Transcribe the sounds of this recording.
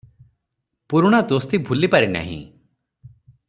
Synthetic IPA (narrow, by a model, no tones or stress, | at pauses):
puɾɽ̃ad̪ost̪ibʱulipaɾina̰ɦḭ̃